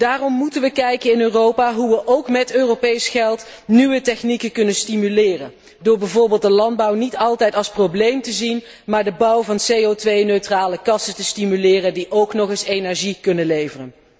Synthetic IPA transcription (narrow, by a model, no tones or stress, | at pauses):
d̥aːrɔmːutənʋəkɛjkəɪnøːrowpaːɦuʋəʔowkmɛtøːropejsχɛlˠt | niʋətɛχnikəkɵnəstimylɪːrən | dʊːɹbɛjvʊːɹbɪːlˠt̚dəlɑnd̚bɑwnitɑlˠtɛjtɑlˠsproblejmtəzin | maːɹdəbʌwvɑnsejotʋejnøɥtraːləkɑsətəstimylɪːrəndiʔowknɔχɪsenɛɹʒikɵnənlejvərən